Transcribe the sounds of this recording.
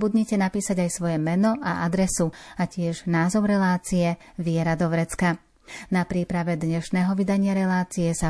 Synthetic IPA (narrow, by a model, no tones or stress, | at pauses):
bud̪ɲɛcɛnapiːsaɟajsʋɔjɛmɛnɔʔaʔad̪ɾɛsuacɪɛʒnaːzɔʊɾɛlaːt͡sijɛ | ʋɪɛɾad̪ɔʋɾɛt͡ska | napɾiːpɾaʋɛd̪ɲɛʃnɛːɦɔʋid̪aɲɪaɾɛlaːt͡sijɛsa